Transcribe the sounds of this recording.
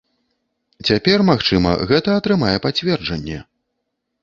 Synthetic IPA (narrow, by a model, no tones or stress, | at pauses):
t͡sʲapʲɛrmaxt͡ʂɨmɐ̰ɣɛt̪ɐɐt̪ɾɨmajɛpat͡sʲvʲɛrd͡ʐɐnʲːɛ̰